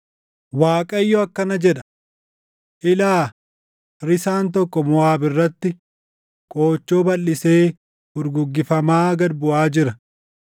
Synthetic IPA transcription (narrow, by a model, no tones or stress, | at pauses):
waːkʼɐɪjːɔɐkːɐnɐd͡ʒɛᶑɐ̥ | ʔɪlaː | ɾɪsaːnt̪ɔkːɔmʊaːbɪrːɐt̪ːɪ | kʼoːt͡ʃːoːbɐlːɪse̞ː | bʊɾɡʊɡːɪfɐmaːɡɐd̪bʊʔaːd͡ʒɪɾɐ